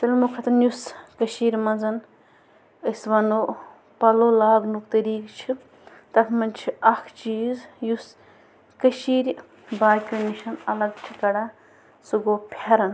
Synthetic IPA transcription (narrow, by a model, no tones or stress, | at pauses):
t̪ɐlʲmukʰɐt̪ʰɐnjuskɐʃiːɾʲmɐnzɐn | əsʋɐnoː | pɐloːlaːɡnukt̪ɐɾiːkt͡ʃʰi | t̪ɐkʰmɐnt͡ʃʰiɐkʰt͡ʃiːzjus | kɐʃiːɾʲ | baːkʲuniʃɐnɐlɐɡt͡ʃʰikɐɽaː | suɡoːpʲʰeɾɐn